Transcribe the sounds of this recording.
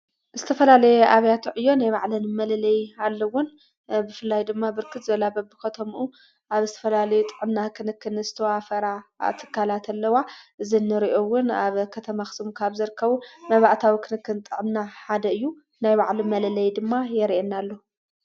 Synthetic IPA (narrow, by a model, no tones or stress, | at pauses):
zɨt̪ʰɐfɐlalɐjɛʔaβjat̪ʰuʕɨjːo̞najβaʕlɐnmɐlɐlɐjalːɐwʊn | bɨfɨlːajd̪ɨmːabɨɾkʰɨt̪zɨβɐlabɐbɨkʰɐt̪ʰomʔu | ʔaβzɨt̪ʰɐ̥fɐlalɐjut̪ʼɨʕɨmnakʰɨnɨkːɨnɨzɨt̪ʰɐwafɐɾa̰t̪ʰɨ̥kʰːalat̪ʰɐlːɐwaʔɨzinːɨɾiʔo̞wʊnaβkʰɐt̪ʰɐmaxɨ̥sɨmkʰaβzɨɾɨkʰːɐβumɐβaʔt̪ʰawikʰɨnɨkːɨnt̪ʼɨʕɨmnaħad̪ɐɨjːu | najβaʕlimɐlɐlɐjd̪ɨmːajɛɾiʔenːalːo